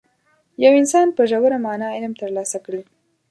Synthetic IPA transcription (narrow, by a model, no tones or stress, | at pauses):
jawɪnsɑnpəʒawaɾamɑnɑɪlmt̪əɾlɑsakɽi